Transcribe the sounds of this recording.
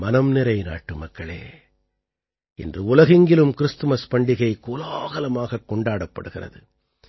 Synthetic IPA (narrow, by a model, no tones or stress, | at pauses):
mɐnɐmnɪɾɐɪna̰ːʈːɯmɐkːɐɭḛː | ɪ̰ndrɯʊlɐɣɪŋɡɪlɯmkɪɾɯst̪ɯmɐspɐɳɖɪɣɐɪkuːlaːɣɐlɐmaːɣɐkːɔɳɖaːɽɐpːɐ̰ɽɯɣɪrɐ̰ðɯ